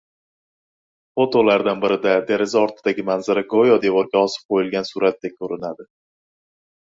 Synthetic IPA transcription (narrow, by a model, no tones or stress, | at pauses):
fot̪olaɾd̪anbɪɾɪd̪ad̪e̞ɾezaɒɾt̪ʰɪd̪aɡʲɪmanzaɾaɡojɒd̪e̞vɒɾɡʲaɒsɪ̥p̚qʰojɪlɡʲansuɾat̪ːakʲʰɵɾɪnad̪ɪ